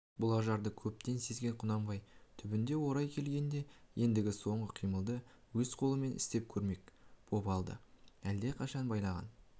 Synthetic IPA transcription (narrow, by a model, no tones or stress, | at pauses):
bʊlˠɑʒɑɾd̪əkʲʰɵp̚t̪e̞nse̞zɡʲe̞ɴqʰʊnɑmbɑjt̪ʰʏbɪnd̪e̞wo̞ɾɑjkʲʰe̞lɡʲe̞nd̪e̞je̞nd̪ɪɡʲɪso̞ɴʁəqʰijməlˠd̪ə | wɵzqʰo̞lˠəme̞nɪ̰st̪e̞p̚kʲʰɵɾme̞k̚b̥o̞pɑlˠd̪ə̰æld̪e̞qʰɑʃɑnbɑjlˠɑʁɑ̰n